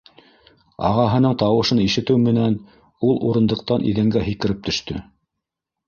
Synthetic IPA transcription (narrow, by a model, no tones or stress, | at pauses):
ɑ̰ʁɑɦɤ̆nɤɴt̪ɑwɤ̆ʃɤniʃɘ̆t̪ɘwmɘ̆næn | ulˠuɾɤ̆nd̪ɤ̆q̚t̪ɑnʔḭðæŋɡæɦikɘ̆ɾɘp̚t̪ɵ̆ʃt̪ɵ̰